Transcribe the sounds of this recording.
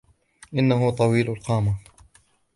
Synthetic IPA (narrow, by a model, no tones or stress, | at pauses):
ʔɪnːaɦʊt̪ˤɑwiːlʊlqɑːma